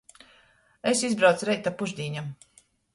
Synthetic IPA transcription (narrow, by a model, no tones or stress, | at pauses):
esizbɾawt̪sɾɛjt̪apuʒd̪ʲiːɲam